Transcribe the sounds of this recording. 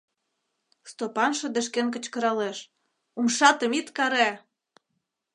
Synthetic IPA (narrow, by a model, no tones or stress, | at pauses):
st̪opɑnʃɤ̆d̪ə̆ʃ̬kenk̬ə̆t͡ɕkə̆ɾɑleʃ | umʃɑt̪ə̆mit̪kɑɾæ